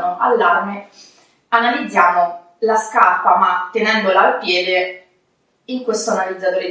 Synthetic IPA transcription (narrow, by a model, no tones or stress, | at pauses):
noʔalːarme | analid̪zːjaːmo | laskarpamat̪ːenɛnd̪olaːlpjɛːd̪e | iŋkwest̪oanalid̪zːat̪oːɾe